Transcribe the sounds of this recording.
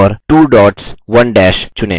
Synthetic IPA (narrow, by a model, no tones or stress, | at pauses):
ɾʈuːɖɔːʈsʋɐnɖɛːʃt͡ʃʊnḛː